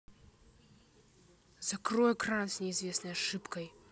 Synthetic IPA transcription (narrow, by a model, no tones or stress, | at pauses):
zɐkrɔjɛkransnʲɪizvʲesnɐjɐʂɨpkɐj